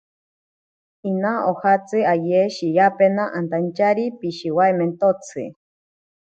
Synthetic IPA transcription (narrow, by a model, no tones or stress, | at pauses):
inaʔohat͡sɨajeʃijapenaʔant̪ant͡ʃaɾipiʃiwaement̪ot͡sʰɨ̰